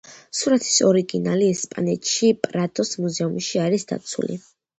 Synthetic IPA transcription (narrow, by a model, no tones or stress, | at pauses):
suɾat̪ʰi̥sɔɾiɡinaliɛspʼa̰nɛt̪ʰʃipʼɾad̪ʼɔsmuzɛumʃiaɾisd̪a̰t̪sʰṵlḭ